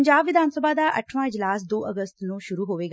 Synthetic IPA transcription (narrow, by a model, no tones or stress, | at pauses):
ɲd͡ʒaːbʋɪd̪ʱaːnsəbaːd̪aːʔəʈʰʋãːɪd͡ʒlaːsd̪oːʔəɡəst̪nũːʃʊɾuːɦoːʋeːɡa